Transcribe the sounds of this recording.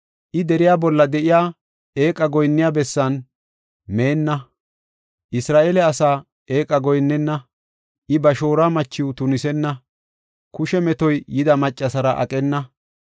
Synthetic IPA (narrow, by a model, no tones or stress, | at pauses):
ʔɪd̪ɛɾɪjaːbɔlːɐd̪ɛʔɪjaː | e̞ːkʼːɐɡɔjnːɪjabɛsːɐn | me̞ːnːɐ | ʔɪsɾaːʔelɛɐsaː | eːkʼɐɡɔjnːɛnːɐ | ʔɪbɐʃo̞ːɾaːmɐt͡ʃːɪwʊt̪ʊnɪsɛnːɐ | kʊʃɛmɛt̪ɔjjɪd̪ɐmɐt͡ʃʼːɐsɐɾɐʔɐ̰kʼɛnːɐ